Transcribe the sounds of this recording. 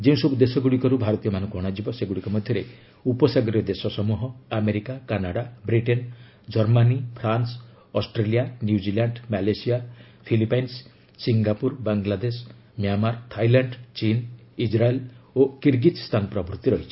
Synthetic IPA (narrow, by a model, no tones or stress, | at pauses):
d͡ʒeũsɔbud̪esɔɡuɽikɔɾubʱaɾɔt̪ijɔmanɔ̃ŋkuɦɔɽ̃ad͡ʒibɔseɡuɽikɔmɔd̪ʱjɔɾe | upɔsaɡɔɾijɔd̪esɔsɔmuɦɔameɾikakanaɽabɾiʈen | d͡ʒɔɾmanipʰɾans | ɔsʈɾelijanjud͡ʒilaɳɖmalesia | pʰilipajnsː | iŋɡapuɾbaŋɡlad̪es | mjamaɾt̪ʰajlaɳɖt͡ʃinid͡ʒɾaelokiɾɡit̪st̪ʰanɔpɾɔbɾut̪iɾɔɦit͡ʃʰi̥